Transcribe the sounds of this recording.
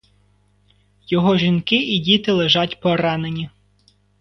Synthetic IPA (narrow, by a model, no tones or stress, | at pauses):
jɔɦɔʒʲinkɪidʲit̪ɪlˠeʒɑtʲpɔɾɑnenʲi